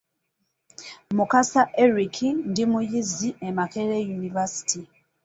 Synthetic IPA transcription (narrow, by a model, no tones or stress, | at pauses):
mukasaʔeɾikʰindimujiziemakeɾejunivasi̥ti